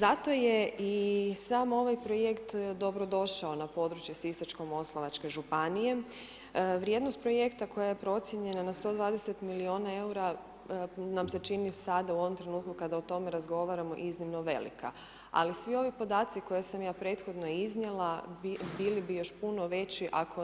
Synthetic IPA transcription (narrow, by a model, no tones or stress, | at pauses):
zat̪o̞jeisaːmo̞ʋajpɾoje̞kt̪d̪o̞bɾo̞d̪o̞ʃao̞napo̞d̪ɾut͡ʃjesisat͡ʃko̞mo̞slˠaʋat͡ʃke̞ʒupanije̞ | ʋɾje̞d̪nost̪pɾo̞je̞kt̪ako̞jajepɾo̞t̪sʲjeɲe̞nanast̪o̞ːd̪ʋaːd̪ese̞t̪milio̞nae̞uɾa | namse̞t͡ʃinisad̪auo̞ʋomt̪ɾe̞nuːt̪kukad̪aot̪o̞meɾazɡo̞ʋaːɾamo̞̰ʔiznimno̞ʋe̞̰lḭka̰ | a̰lisʋio̞ʋipo̞d̪aːt̪siko̞jesamjaːpɾe̞ːt̪xo̞d̪no̞iznjelˠabilibijo̞ʃpuno̞ʋe̞t͡ɕiʔakʰo̞